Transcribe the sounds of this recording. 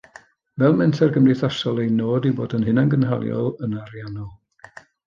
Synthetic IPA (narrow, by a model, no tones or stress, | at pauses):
vɛlˠmɛntʰɛrɡəmriθasɔlˠejnoːdiboːdənɦɪnanɡənɦa̰lˠjɔ̰lˠənarjanɔlˠ